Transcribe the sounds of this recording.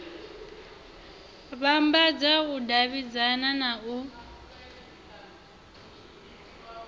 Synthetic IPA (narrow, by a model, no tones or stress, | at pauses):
βambad͡zaɣʊdaβid͡zananaʔu